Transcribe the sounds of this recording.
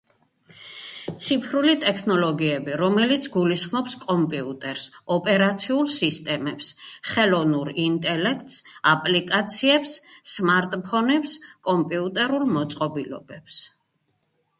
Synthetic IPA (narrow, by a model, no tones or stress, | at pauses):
t̪sʰipʰɾulit̪ʼɛkʰnɔlɔɡiɛbiɾɔmɛlit̪sʰɡulisχmɔpskʼɔmpʼiut̪ʼɛɾsɔpʼɛɾat̪sʰiulˠsist̪ʼɛmɛpsχɛlɔvnuɾint̪ʼɛlɛkʰt̪ʼsapʼlikʼat̪sʰiɛpssmaɾt̪ʼpʰɔnɛpskʼɔmpʼiut̪ʼɛɾulˠmɔt̪sʼqʼɔbilɔ̰bɛps